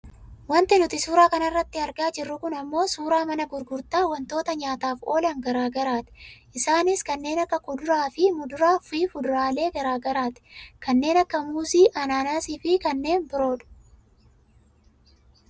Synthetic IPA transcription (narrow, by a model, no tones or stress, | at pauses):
wɐnt̪ɪnʊt̪ɪsuːɾaːkɐnɐrːɐt̪ːɪɐɾɡaːd͡ʒɪrːʊkʊnɐmːo̞ːsuːɾaːmɐnɐɡʊɾɡʊɾt̪aːwɐnt̪o̞ːt̪ɐɲaːt̪aːfo̞ːlɐŋɡɐɾaːɡɐɾaːt̪ʔɪsaːnɪskɐnːe̞ːnɐkːɐkʊd̪ʊɾaːfɪmʊd̪ʊɾaːfiːfʊd̪ʊɾaːle̞ːɡɐɾaːɡɐɾaːt̪ɛ̥kɐnːe̞ːnɐkːɐmuːsiːʔɐnaːnaːsiːfɪkɐnːe̞ːnbɪɾo̞ːᶑʊ̥